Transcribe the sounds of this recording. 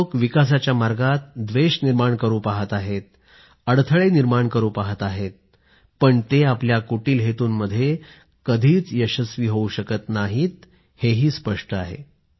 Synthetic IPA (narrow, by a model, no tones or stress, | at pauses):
okʋikas̬at͡ɕjamaɾɡat̪̚d̪ʋeɕniɾmaɳkəɾuːpaɦət̪aɦet̪̚ | əɽt̪ʰəɭeniɾmaɳkəɾuːpaɦət̪aɦet̪̚ | pəɳt̪eapljakoʈiːlɦet̪uːnməd̪ʱːje | kəd̪ʱiːt͡sjəɕəsʋiːɦouɕəkət̪naɦiːt̪̚ | heɦiːspəʂʈəaɦḛ